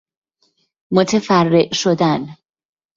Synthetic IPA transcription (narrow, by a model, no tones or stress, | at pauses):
mot̪ʰefærːeʔʃod̪æn